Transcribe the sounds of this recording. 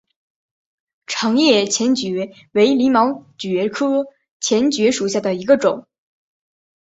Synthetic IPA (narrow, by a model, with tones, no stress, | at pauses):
ʈ͡ʂʰɑ˧˥ŋjɛ˥˩t͡ɕʰjɛ˧˥nt͡ɕɥɛ˧˥ | we˧˥ɪli˧˥mɑ˧˥ʊt͡ɕɥɛ˧˥kʰɤ˥ | t͡ɕʰjɛ˧˥nt͡ɕɥɛ˧˥ʂu˨˩ɕja˥˩d̪ə˩i˧˥ɡə˧ʈ͡ʂʊ˨˩˦ŋ